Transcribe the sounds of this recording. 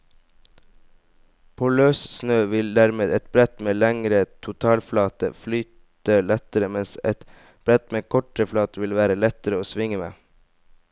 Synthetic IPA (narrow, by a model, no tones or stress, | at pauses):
pʰoːløːssnøːʋɪld̪æɾmeːd̪ɛt̪̚bɾɛt̪meːlæŋɾət̪ʰʊt̪ʰɑːlflɑːt̪ə̰flyːt̪ | əlɛt̪əɾəmɛnsɛt̪ | b̥ɾɛt̪meːkʰɔʈəflɑːt̪əʋɪlʋæːɾəlɛt̪əɾəoːsʋɪŋəmḛː